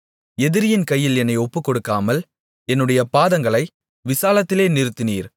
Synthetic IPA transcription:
ɛðɪɾɪjɪnkɐjːɪlɛnːɐɪɔpːɯkːɔɽɯkːaːmɐl | ɛnːɯɽɐjɐpaːðɐŋɡɐɭɐɪ | ʋɪsaːlɐt̪ːɪleːnɪɾɯt̪ːɪniːɾ

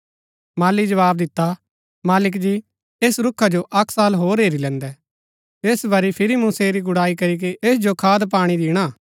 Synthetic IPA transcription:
maːlid͡ʒɐʋaːbd̪ɪt̪ːa | maːlɪk̬d͡ʒiː | eːsɾʊkʰːad͡ʒoʔɐkʰsaːlɦoːɾeːɾilɛ̃ːnd̪ɛ | eːsbɐɾipʰɪɾimʊ̃seɾiɡʊɽaːik̬ɐɾik̬iʔeːs̬d͡ʒokʰaːd̪p̬aːɽ̃id̪iːɽ̃aː

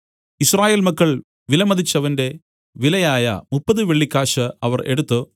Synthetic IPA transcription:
israːjeːlmɐkːɐɭ | ʋilɐmɐðit͡ɕːɐʋɐnde̞ | ʋilɐjaːjɐ̰mupːɐðɨʋeɭːikʲːaːʂɐɐʋɐre̞ɽut̪ːɨ

